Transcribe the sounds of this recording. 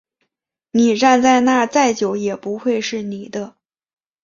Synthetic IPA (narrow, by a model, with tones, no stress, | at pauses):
ni˨˩ɻa˥˧nt͡sa˥˧ɪna˥˧t͡sa˥˩ɪt͡ɕjo˨˥ʊjɛ˨˩pu˧˥xwe˥˧ɪʂɻ̩˥˩ni˨˩d̪ə˦